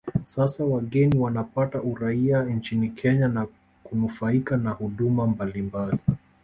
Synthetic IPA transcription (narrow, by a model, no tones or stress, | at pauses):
sasawaɠɛniwanapataʔuɾaiant͡ʃinikʰɛɲana | kunufaikanahuɗumambalimbali